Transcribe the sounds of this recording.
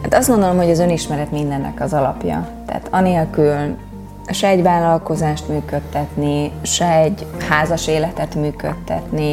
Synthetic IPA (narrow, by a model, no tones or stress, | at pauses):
ha̰ːt̪ɒst̪ɡo̞nd̪olo̞mɦo̞ɟɒzø̞niʃmɛɾɛt̪mind̪ɛnːɛ̰kɒzɒlɒ̰pjɒ̰t̪a̰ːt̪ʰɒneːlkyl | ʃɛːɟvaːlːɒlko̞zaːʃt̪myːkø̞t̪ːɛt̪niʃɛːɟhaːzɒʃeːlɛt̪ɛt̪myːkøt̪ːɛ̰t̪ni